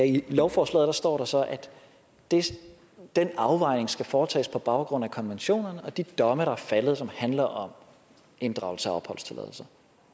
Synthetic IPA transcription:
æilɒʊfɒːslɛ̰ðˠd̥ɑ̈sd̥ɒ̰ːɾ̥ɑ̈sɒ̽ʔæd̥ | e̝ | d̥enɑ̈ʊʋɑ̈ɪ̰ne̝ŋsɡ̥æfɒːt͡sʰɛ̰ːspʰɒ̽b̥ɑ̈ʊɡ̥ʁɔ̽n̰ækʰɒ̽nʋenɕo̝̰ːnɐnəɒ̽d̥id̥ɒ̽məɾ̥ɑ̈æɐfæləð̞̩ˠsɒ̽mhænlɐʔɒ̽m | e̝nd̥ʁɑ̈ʊsəæɒ̽b̥hɒ̽l̰st͡sʰe̝lɛ̰ð̰ˠl̩sɐ

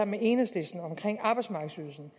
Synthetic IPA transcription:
ɑmeʔe̝ːnəsle̝sd̥n̩ɒ̽mkʰʁeŋ̰ɑ̈ːb̥ɑ̈ɪdsmɑ̈ːɡəsyðˠl̩ˠsn̩

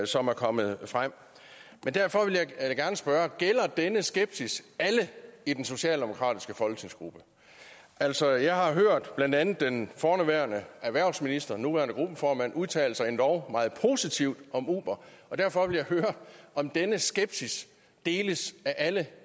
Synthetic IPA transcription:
sɒ̽mæɐkʰɒ̽məð̩ˠfʁam̰ | mend̥æɐfɒ̽ʋe̝ljɑ̈ɪɡ̥æɐnəsb̥ɶːɐɡ̥el̰ɐd̥enəsɡ̥eb̥sisæləid̥enso̝ɕɛ̰ːld̥emo̝kʰʁɑ̰̈ːd̥isɡ̥əfɒ̽lɡ̥ə̥t͡sʰe̝ŋsɡ̥ʁub̥ə | ʔæl̰sɒ̽jɑ̈ɪɦɑ̈ɦøɐ̰d̥b̥lænd̥ænð̩ˠd̥enfɒːnuʋæːɐnəæʋæɐ̰ʊsminisd̥ʁɐnuʋæɐnəɡ̥ʁub̥əfɒːmæn̰uðˠt͡sʰɛ̰ːl̩sɑ̈ɪend̥ɒʊmɑ̈ːð̩ˠpʰo̝sit͡sʰiʊd̥ɒ̽mṵːb̥ɐɒ̽d̥æɐfɒ̽ʋe̝ljɑ̈ɪhøːɐʔɒ̽md̥enəsɡ̥eb̥sis | d̥e̝ːləsæʔælə

